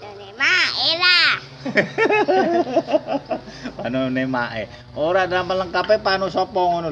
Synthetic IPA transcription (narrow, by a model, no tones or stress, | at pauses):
nemaela | panunemaʔḛ | oɾadalampələŋkapepanusopɔŋono